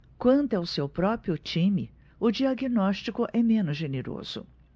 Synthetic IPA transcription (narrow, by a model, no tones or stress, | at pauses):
kwɐ̃nt̪ʊawsewpɾɔpɾiʊt͡ʃĩmɪ | ʊd͡ʒiaɡinɔst͡ʃikʊʔɛmẽnʊzʒeneɾo̰z̥ʊ̰